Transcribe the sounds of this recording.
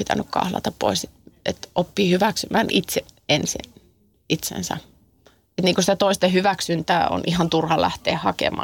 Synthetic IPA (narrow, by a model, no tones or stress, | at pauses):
it̪ænykkɑ̰hlɑ̰t̪ɑppo̰iset̪et̪ʔopːiːhyʋæksymæːnʔit̪seensḭn | it̪sḛnsæ̰ | et̪niːŋkusit̪æt̪oist̪ehyʋæksynt̪æːo̰nʔihɑnt̪urhɑlæht̪ḛːhɑkḛmɑ̰ː